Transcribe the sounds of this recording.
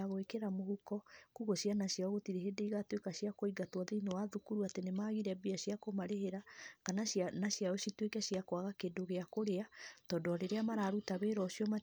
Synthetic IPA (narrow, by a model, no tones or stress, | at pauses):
aɣoekeɾamohukɔkuɣoʃjanaɕjaɔɣotiɾeɦedeiɣatwekaɕiakoiɡatwɔðeinewaðukuɾuatenemaɣiɾɛbiaɕjakomaɾeheɾakananaɕjaoʃitwekɛɕiakwaɣakedoɣeakoɾeatɔːndɔɾeɾeamaɾaːɾutaβeɾɔʃjɔma